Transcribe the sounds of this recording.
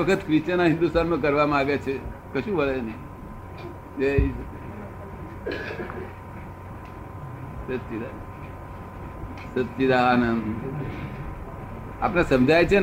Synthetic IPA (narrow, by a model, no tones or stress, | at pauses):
əkʰət̪kɾɪt͡ʃanaɦɪ̃nd̪ust̪anmãk̬əɾʋamãaɡet͡ʃʰekəʃũʋəɭenəĩ | ei | sət̪t͡ʃid̪a | sət̪ʃid̪aːnən | a̰pnesəmd͡ʒajt͡ʃʰen